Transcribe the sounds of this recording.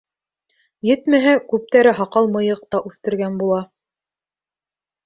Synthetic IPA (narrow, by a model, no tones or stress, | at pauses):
jɘ̆t̪mæɦækʉp̚t̪æɾɘɦɑqɑlˠmɤ̆jɤ̆q̚t̪ɑʔʉθt̪ɘ̆ɾɡænbulˠɑ